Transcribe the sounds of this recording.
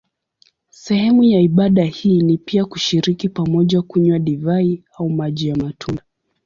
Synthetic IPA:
sɛhɛmujaiɓaɗahiːnipiakuʃiɾikipamɔʄakuɲwaɗivai | aumaʄijamatʰuna

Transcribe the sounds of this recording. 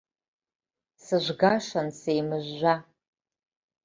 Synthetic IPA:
sɨʒʷɡaʂansejmɨʒːʷa

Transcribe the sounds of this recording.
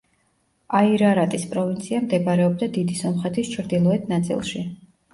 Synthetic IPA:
aiɾaɾat̪ʼispʼɾɔvint̪sʰiamd̪ɛbaɾɛɔb̚d̪ad̪id̪isɔmχɛt̪ʰist͡ʃʰɾd̪ilˠɔɛt̪ʰnat̪sʼḭlˠʃi

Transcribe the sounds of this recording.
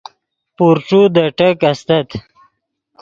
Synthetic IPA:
puɾʈ͡ʂud̪əʈəkast̪ɐt̪

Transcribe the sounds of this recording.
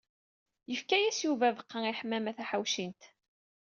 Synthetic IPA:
jəfkæjæsjuvævəqːɑŋiħmːæmæθæħawʃint̪

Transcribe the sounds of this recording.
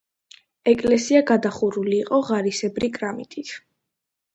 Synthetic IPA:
ɛkʼlɛsiaɡad̪aχuɾuliːqʼɔʁaɾisɛbɾikʼɾamit̪ʼit̪ʰ

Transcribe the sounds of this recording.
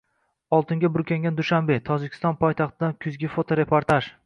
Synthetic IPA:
ɒlˠt̪ʰɪŋɡʲabʊɾkʲaŋɡʲand̪ʊʃambe̞t̪ʰɒd͡ʒɪkʲʰɪ̥st̪ɒnpʰɒjt̪ʰaχt̪ʰɪd̪ankʲʰʊzɡʲɪfot̪ʰoɾe̞pʰoɾt̪ʰaʒ

